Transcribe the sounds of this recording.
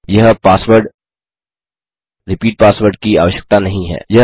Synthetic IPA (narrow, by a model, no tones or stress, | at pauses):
jɐɦpaːsʋəɾɖ | ɾɪpiːʈ̚paːsʋəɾɖ̚kia̰ːʋəʃjə̥k̚t̪anɐɦĩɦɛ̰ːjɐ